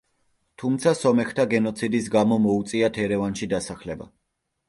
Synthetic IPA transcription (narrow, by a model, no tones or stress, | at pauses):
t̪ʰumt̪sʰasɔmɛxt̪ʰaɡɛnɔt̪sʰid̪isɡamɔmɔut̪sʼiat̪ʰɛɾɛvanʃid̪asaχlɛba̰